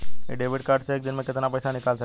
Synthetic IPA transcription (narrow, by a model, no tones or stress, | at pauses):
ḛɖeʋiɽkaɾɖseek̚d̪inmeket̪ənapəjsanikalsə